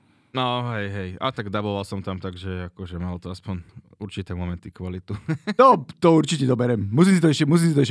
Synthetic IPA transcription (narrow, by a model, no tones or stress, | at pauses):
nɔɦɛjɦɛja̰t̪aɡd̪abɔʋalsɔmt̪amt̪aɡʒɛakɔʒɛmalt̪ɔaspɔɲ | uɾt͡ʃit̪ɛːmɔmɛnt̪ikʋalit̪unɔt̪ɔuɾt͡ʃicɛd̪ɔbɛɾɛmmusimsit̪ɔɛʃɛmus̬iːmsit̪ɔɛʃ